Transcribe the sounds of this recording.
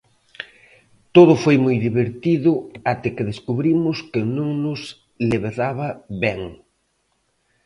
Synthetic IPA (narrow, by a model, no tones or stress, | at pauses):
t̪oð̞ʊfojmojðiβeɾt̪iðʊat̪ɪkɪðeskuβɾimʊskɪnũŋnʊs | leβeðaβɐβɛŋ